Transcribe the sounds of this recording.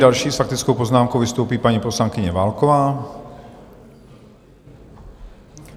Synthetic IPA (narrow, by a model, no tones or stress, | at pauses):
alʃiːsfak̚t̪it͡skɔʊpɔznaːmkɔʊʋist̪uːpiːpaɲipɔslaŋkiɲɛʋaːlkɔʋaː